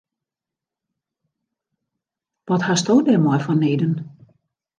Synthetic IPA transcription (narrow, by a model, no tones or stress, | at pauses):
ʋɔthastoːdɛmwɔjfɔnːeːdən